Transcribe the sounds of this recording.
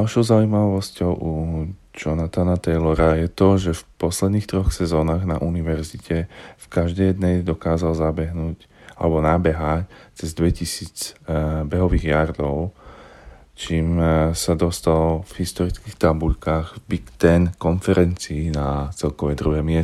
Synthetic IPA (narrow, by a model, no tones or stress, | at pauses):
alʃɔʊzauimaʋɔscɔʊud͡ʒɔnat̪anat̪ɛjlɔɾajɛt̪ɔʒɛfpɔslɛd̪niːxt̪ɾɔxsɛzɔːnaːɣnaʔuniʋɛɾzicʰɛfkaʒd̪ɛjɛd̪nɛjd̪ɔkaːzalzabɛɦnuːc | a̰lɛbɔnabɛɦact͡sɛzd̪ʋɛcisiːd͡zbɛɦɔʋiːɣjaɾd̪ɔʊ | t͡ʃiːmsad̪ɔst̪alvɦist̪ɔɾit͡skixt̪abuʎkaːɣbikt̪ɛnkɔnfɛɾɛnt͡siːnat͡sɛlkɔʋɛjd̪ɾuɦɛmɪɛ